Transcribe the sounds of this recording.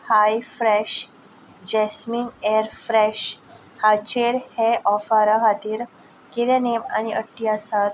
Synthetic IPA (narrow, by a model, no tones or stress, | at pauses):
hajfɾɛɕ | d͡ʑɛsmiːneɾfɾɛɕ | hat͡ɕeɾheʔɔfaɾaɦat̪iːɾ | keɾanema̰ñiʔə̰ʈːiasat̪